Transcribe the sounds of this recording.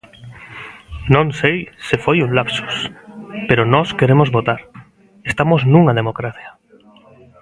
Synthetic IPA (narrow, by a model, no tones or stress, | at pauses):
nõŋsejsɪfojunlapsu̥speɾonɔskeɾemozβot̪aɾ | est̪amoznũŋað̞emokɾaθja